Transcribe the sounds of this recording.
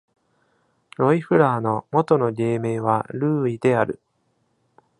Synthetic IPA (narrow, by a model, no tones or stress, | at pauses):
ɾo̞iɸɯ̟ɾaːno̞mo̞t̪o̞no̞ɡʲe̞ːme̞ːβ̞aɾɯ̟ːid̪̥e̞aɾɯ̟̰